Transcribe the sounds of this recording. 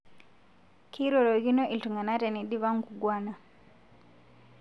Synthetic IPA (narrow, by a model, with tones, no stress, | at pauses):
kʰi˦ɾɔ˨lɔ˨ɣi˦nɔ˦ʔi˨ltu˨ŋɡa˨na˦tɛ˨ni˨ɗi˦βa˦ŋɡu˨ɡwa˦na˨